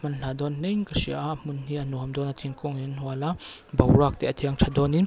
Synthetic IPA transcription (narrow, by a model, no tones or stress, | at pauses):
mɐnɬad̪ɔnːɛŋkɐsiaʔʔmunhiʔanuamd̪ɔnat̪ʰiŋkɔŋinhualabɐwɾak̚t̪ɛʔɐt̪ʰiɐŋt͡ʃʰad̪ɔni